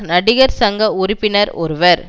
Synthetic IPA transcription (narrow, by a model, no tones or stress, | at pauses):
nɐɽɪɣɐɾsɐŋɡɐʊɾɪpːɪnɐɾɔɾɯʋɐɾ